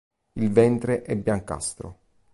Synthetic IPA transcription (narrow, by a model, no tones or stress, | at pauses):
ilvɛnt̪ɾeʔɛbːjaŋka̰st̪ɾo̰